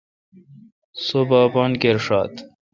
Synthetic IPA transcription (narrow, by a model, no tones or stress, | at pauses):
sobaːbɑːnkeɾʂɑ̰ːt̪